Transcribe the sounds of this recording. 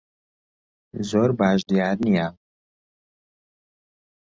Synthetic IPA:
zoːɾbaːʒd̪ijaːɾnija

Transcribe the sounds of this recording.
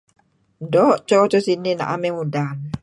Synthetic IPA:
dɔʔt͡ʃɔt͡ʃɔsinina̰ʔa̰mɛmudan

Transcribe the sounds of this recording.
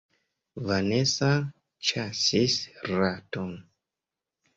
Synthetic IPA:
vanesa | t͡ʃasisɾaton

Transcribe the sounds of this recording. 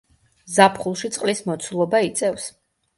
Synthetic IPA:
zapʰχulˠʃit̪sʼqʼlismɔt̪sʰulˠɔbait̪sʼɛfs

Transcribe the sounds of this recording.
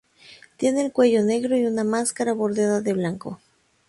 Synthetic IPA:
t̪je̞ne̞ːlkwe̞ʝo̞ne̞ɣɾo̞iunamaskaɾaβo̞ɾðjaðaðe̞βlaŋko̰

